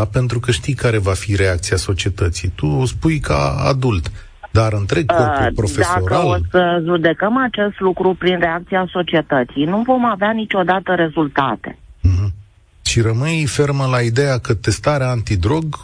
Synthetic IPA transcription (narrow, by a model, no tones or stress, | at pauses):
pe̞nt̪ɾukəʃt̪ijkaɾe̞vafiɾe̞ak̚t̪siaso̞t͡ʃie̞t̪ət̪sḭjt̪uspujka̰a̰d̪ult̪ | d̪aɾɨnt̪ɾe̞ɡ̚opɾo̞fesao̞ɾkalssəʒud̪e̞kəmat͡ʃe̞st̪lukɾupɾinre̞ak̚t̪siaso̞t͡ʃie̞t̪ət̪sijnuvo̞maveanit͡ʃʲo̞d̪at̪əɾe̞zult̪a̰t̪e̞̥̰ɦ̩ | ʃiɾəmɨjfe̞rməlaid̪ejakət̪e̞st̪aɾeaːnt̪id̪ɾo̞ɡ